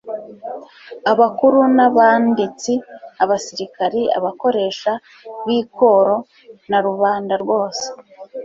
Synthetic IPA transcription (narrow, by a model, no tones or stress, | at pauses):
aβakuɾunaβaːndit͡siaβasiɾikaɾia̰βako̞ɾe̞ːʃa | βiːkʰo̞ɾo̞ | naɾuβaːndaɾɡo̞ːse̥